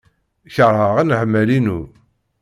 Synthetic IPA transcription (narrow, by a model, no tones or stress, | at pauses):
çəɾˤhəʁænħmːælinu